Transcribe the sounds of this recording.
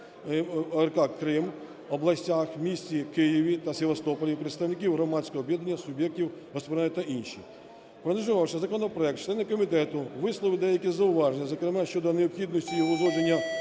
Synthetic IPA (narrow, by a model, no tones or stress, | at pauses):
ɛrkɑkːɾɪm | ɔblˠɐsʲtʲaxmʲisʲtʲikɪjiʋʲit̪ɐsʲeʋɐst̪ɔpɔlʲipɾet̪st̪ɐwnɪk̬ʲiwɦrɔmɑsʲkɔɦɔbʲjɛd̪ɐnʲːɐsʊbʲjɛk̚tʲiwɦɔspɔɾt̪ɐʔinʃi | pɾɔnʲizʊʋɑwʃɛzɐkɔnɔpɾɔɛk̚t̪̚t͡ʃlˠɛnːɪkːɔmʲit̪ɛt̪ʊʋɪslˠɔʋɪd̪ɛjɐkʲizɐʊʋɑʒenʲːɐzɔkɾemɛʃt͡ʃɔd̪ɔneɔpxʲid̪nɔsʲtʲijɔɦɔzˠɔd͡ʒenʲːɐ